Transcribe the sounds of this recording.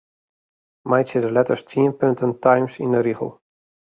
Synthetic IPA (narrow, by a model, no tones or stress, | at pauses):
majtsɪdəlɛtəɹstʰiənpøntəntʰajmsḭ̃ndəɾiχə̰lˠ